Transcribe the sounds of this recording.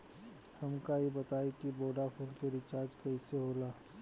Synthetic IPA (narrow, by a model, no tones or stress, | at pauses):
hɐmkajebɐt̪aːekiboːɖafʰuːlkeɾɪt͡ʃaːɾd͡ʒkɐiseɦoːlaː